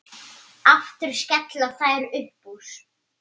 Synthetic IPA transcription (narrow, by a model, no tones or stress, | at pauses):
aft̪ʏɾ̥scɛt̪laθajɾʏhpus